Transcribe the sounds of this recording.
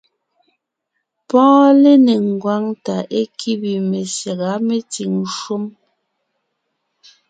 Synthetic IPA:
pɔ̃ː˦le˦ne˨ŋ˨ɡwa˦ŋta˨ʔe˦kʰi˦bi˨me˨sja˨ɣa˨˦me˦ti˨ŋ˨ʃu˦m

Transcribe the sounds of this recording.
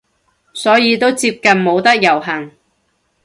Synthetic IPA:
sɔː˨˥jiː˨˧t̪o˥wt͡siː˧p̚kɐ˨nmo˨˧wt̪ɐ˥k̚jɐ˨˩wɦɐ˨˩ŋ

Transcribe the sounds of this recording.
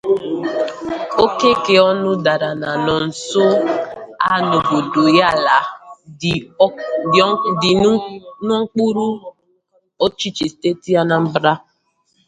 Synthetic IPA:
o˦ke˦ke˨ɔ˦nʊ˦da˨ɾa˨na˨nɔ˨n̩˨so˦ | a˦˨no˨bo˨do˨ja˦˨la˨˦ | dɪ˨˦nʊ˦ŋ̩˦k͡pu˦ɾu˦ | o˦t͡ʃi˦t͡ʃi˨ste˦ti˦a˦na˨m̩˦bɾa˦

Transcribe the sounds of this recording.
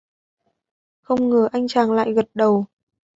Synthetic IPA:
xə˧wŋ͡mŋɨ˨˩ʔa˧jŋ̟t͡ɕaː˨˩ŋla̰ː˧˨jɣə˨˩t̚ɗə˨˩w

